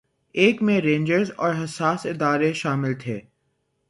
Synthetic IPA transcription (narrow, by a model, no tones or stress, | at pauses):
eːkmẽɾẽːnd͡ʒəɾzɔ̰ːɾɦɐsaːsɪd̪aːɾeʃaːmɪlt̪ʰeː